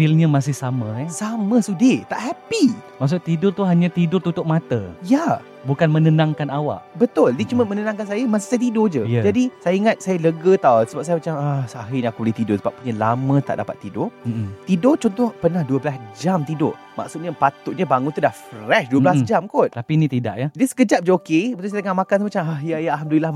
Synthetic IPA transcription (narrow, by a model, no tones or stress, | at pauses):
filɲamas̬ɪhsamə̃ɛsaməsudɪt̪aʔhapimaʔs̬ʊʔ̚t̪idʊrt̪uɦaɲãt̪idʊrt̪ut̪ʊʔ̚mat̪əja | bukanmənənãŋkanawa̰ʔbət̪ʊldiət͡ʃuməmənənãŋkansajamas̬ɪ̥hsajat̪idod͡ʒəjad͡ʒadisajaiŋat̪̚sajaləɡət̪awsəbap̚sajamat͡ʃamahsaɦɪɲakubəliht̪idʊsəbap̚puɲalamə̃t̪a̰ʔdapa̰t̪ːidʊt̪idʊt͡ʃɔnt̪ɔhpərnahduəblasd͡ʒamt̪ido̰ | ma̰ksut̪̚ɲapat̪ʊʔ̚ɲabaŋʊnt̪udahfrɛʃduəblasd͡ʒamkɔt̪̚t̪apinĩt̪ida̰ʔjadiəsə̥kəd͡ʒap̚d͡ʒəokebət̪ʊlsaj̪əŋaʔmakansmat͡ʃamahjajalɦamduila